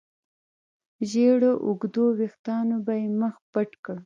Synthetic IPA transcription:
ʒeɽoʔʊɡd̪owext̪ɑnobajeməxpəʈkə

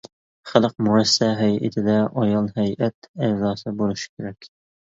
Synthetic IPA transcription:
χælˠəq̚muɾɛsːɛɦɛjʔɪ̰t̪ʰɪd̪ɛʔɑjɑlˠɦɛjʔɛt̪æzɑːsɨbolˠɨʃi̥kʲʰeɾɛkʲ

